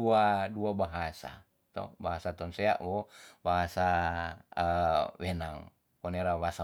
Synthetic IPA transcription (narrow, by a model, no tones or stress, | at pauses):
uaduabaɦasa̰ | t̪ɔ̰baɦasat̪ɔnsea̰ʔwɔbaɦasa | wenaŋ | pɔneɾabaasa